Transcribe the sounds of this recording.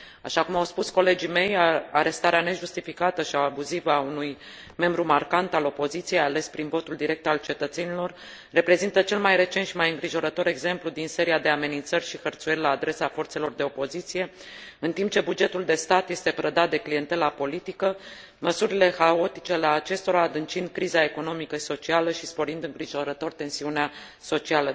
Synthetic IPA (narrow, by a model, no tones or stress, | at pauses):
aʃakumawspusko̞le̞d͡ʒime̞jaɾe̞st̪aɾeane̞ʒust̪ifikat̪əʃiawabuzivaunuj | me̞mbɾumarkant̪alo̞po̞zit̪sijejale̞spɾinvo̞t̪uld̪iɾe̞k̚t̪alt͡ʃe̞t̪ət̪se̞nilo̞rː | e̞pɾe̞zint̪ət͡ʃe̞lmajre̞t͡ʃenʃimajɨŋɡɾiʒo̞ɾət̪o̞ɾe̞ɡze̞mplud̪inse̞ɾiad̪e̞ame̞nint̪sərʲʃixərt̪suje̞rʲlaːd̪ɾe̞safo̞rt̪se̞lo̞rd̪e̞opo̞zit̪sije̞ɨnt̪impt͡ʃe̞bud͡ʒe̞t̪uld̪e̞st̪at̪je̞st̪e̞pɾəd̪at̪̚d̪e̞klije̞nt̪e̞lapo̞lit̪ikə | məsuɾile̞xao̞t̪it͡ʃealeat͡ʃe̞st̪o̞ɾaːd̪ɨnt͡ʃind̪̚kɾizae̞ko̞no̞mikəʃi̥so̞t͡ʃialəʃispo̞ɾind̪ɨŋɡɾiʒo̞ɾət̪o̞rt̪e̞nsiunea | so̞t͡ʃialə